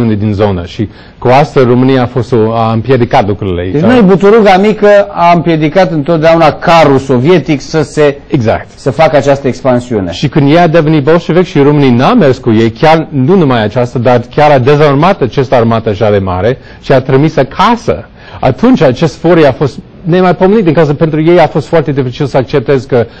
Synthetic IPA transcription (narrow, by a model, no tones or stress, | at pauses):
uned̪inzo̞nəʃi | kuast̪əzromɨnijaːfo̞st̪oaɨmpje̞d̪ikat̪lukɾuɾilḛed̪enojbut̪uɾuɡamikəampje̞d̪ikat̪ɨnt̪ot̪̚d̪eaunakʰaɾusovije̞t̪iksəse̞eɡza̰k̚t̪səfakəat͡ʃast̪əekspansiunḛʃikɨnd̪jejad̪evenit̪̚bolʃevekʃiɾomɨniname̞rskuje̞jkʲjarnunumajat͡ʃast̪ad̪arkʲaɾad̪e̞zarmat̪at͡ʃest̪əarmat̪əaʃad̪e̞ma̰ɾe̞ | ʃiat̪ɾimisakʰasə̰ | a̰t̪unt͡ʃʲat͡ʃe̞st̪foɾiafo̞st̪ | ne̞majpo̞menit̪̚d̪iŋkawzəpe̞nt̪ɾuje̞jafo̞st̪fart̪e̞d̪ifit͡ʃilsəak̚t͡ʃe̞p̚t̪ezkə